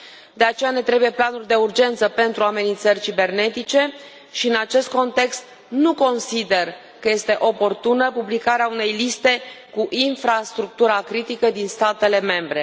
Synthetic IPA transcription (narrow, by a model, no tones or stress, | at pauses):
d̪e̞at͡ʃe̞jane̞t̪ɾe̞buje̞planurʲd̪e̞urd͡ʒe̞nt̪səpe̞nt̪ɾuame̞nint̪sərʲt͡ʃibe̞rne̞t̪it͡ʃe̞ | ʃiɨnat͡ʃe̞st̪̚ko̞nt̪e̞kst̪ | nuko̞nsid̪e̞r | kəje̞st̪e̞ʔo̞po̞rt̪unəpublikaɾeaune̞jlist̪e̞kuʔinfɾast̪ɾuk̚t̪uɾakɾit̪ikəd̪inst̪at̪e̞le̞me̞mbɾe̞